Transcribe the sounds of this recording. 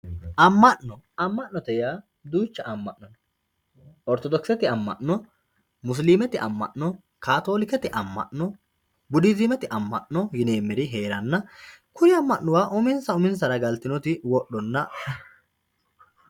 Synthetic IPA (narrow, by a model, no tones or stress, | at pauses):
ʔɐmːɐʔnɔɐmːɐʔnɔt̪ɛjaː | d̪uːt͡ʃːɐɐmːɐʔnɐn | ɔɾt̪ɔd̪ɔksɛt̪ɪɐmːɐ̰ʔnɔ | mʊs̬liːmɛt̪ɪʔɐ̰mːɐ̰ʔnɔ | kaːt̪o̞ːlɪkɛt̪ɪʔɐmːɐ̰ʔnɔ | bʊd̪ɪzɪmɛt̪ɪʔɐmːɐ̰ʔnɔjɪneːmːɪɾɪɦe̞ːɾɐnːɐkʊnɪɐmːɐʔnʊwaːʔʊmɪnsɐʊmɪns̬ɐɾɐɡɐlt̪ɪnɔt̪ɪwɔɗɔnːɐ